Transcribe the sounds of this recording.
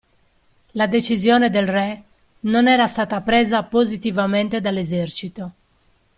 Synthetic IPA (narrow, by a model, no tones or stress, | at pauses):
lad̪et͡ʃizjoːned̪elrɛ | nonɛːɾast̪aːt̪apɾeːzapozit̪ivament̪ed̪alːezɛrt͡ʃit̪o